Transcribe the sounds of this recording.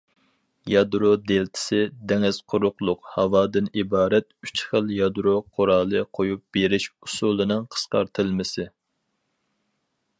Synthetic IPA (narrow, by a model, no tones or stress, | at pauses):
jɑd̪ɾod̪elt̪ʰɪ̥sɪd̪ɛŋɪz̥qʰʊɾʊqlˠʊqhɑwɑːd̪ɨnibɑːɾɛt̪̚y̥t͡ʃχəlˠjɑd̪ɾoqʰoɾɑːlˠɨqʰojup̚b̥eɾɪʃusulˠɨnɨŋqʰə̥sqɑ̰ɾt̪ʰɨlˠmɪsɪ